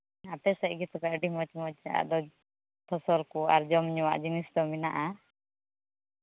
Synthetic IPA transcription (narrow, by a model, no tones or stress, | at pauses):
apɛsaʔɡɛt̪ɔkaʔɖimɔt͡ʃmɔt͡ʃa̰ʔd̪ɔ | t̪ʰɔsɔlkuaɾd͡ʒɔmɲɔwa̰ʔd͡ʒinisd̪ɔminaʔa